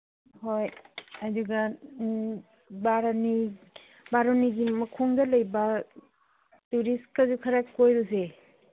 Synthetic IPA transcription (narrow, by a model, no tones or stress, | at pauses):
hojaduɡɐ | baɾani | baɾoniɡimɐkʰoŋdɐlɐjbɐ | tuɾiskazukʰɐɾakojɾuse